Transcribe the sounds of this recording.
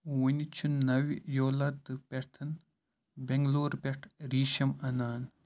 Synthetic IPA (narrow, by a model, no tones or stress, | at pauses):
wɐnʲit͡ʃʰunnːɐʋʲjoːlɐt̪ːɨpʲeɾt̪ʰɐn | bʲeŋɡloːɾpʲeʈʰɾiːʃɐmɐnaːn